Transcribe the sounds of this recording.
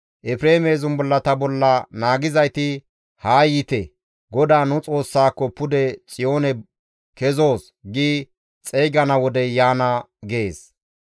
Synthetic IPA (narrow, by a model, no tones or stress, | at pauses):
ʔɛpɾeːmeːzʊnbɔlːɐt̪ɐbɔlːɐnaːɡɪzɐjt̪ɪ | haːjɪt̪ɛ | ɡɔd̪aːnʊt͡sʼo̞ːsːaːkːɔpʊd̪ɛt͡sʼɪjo̞ːnɛ | kɛzo̞ːs | ɡi | t͡sʼejɡɐnɐwɔd̪ɛjaːnɐɡeːs